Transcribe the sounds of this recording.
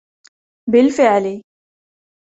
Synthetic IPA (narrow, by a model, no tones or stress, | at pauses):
bɪlfɪʕli